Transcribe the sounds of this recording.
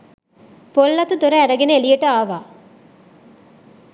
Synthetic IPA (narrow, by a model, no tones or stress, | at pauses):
polːɐt̪ud̪oɾɐæɾɐɡeneelijəʈəaːʋaː